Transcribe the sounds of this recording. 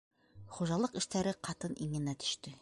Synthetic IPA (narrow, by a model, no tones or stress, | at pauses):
χuʒɑlˠɤqɘ̆ʃt̪æɾɘqʰɑt̪ɤnʔiŋɘ̆næt̪ɵ̥̆ʃt̪ɵ